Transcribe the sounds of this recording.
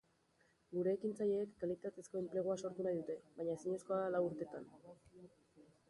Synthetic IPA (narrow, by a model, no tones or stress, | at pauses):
ɡuɾe̞ːkint͡saʎe̞ːkːalit̪at̪e̞sko̞e̞mple̞ɣ̞oaso̞ɾt̪unajðut̪e̞βajɲae̞siɲe̞sko̞alawuɾt̪e̞t̪an